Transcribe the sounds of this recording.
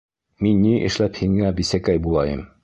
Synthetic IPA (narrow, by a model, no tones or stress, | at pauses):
minːiʔɘ̰̆ʃlæphiŋæbisækæjbulˠɑjɤm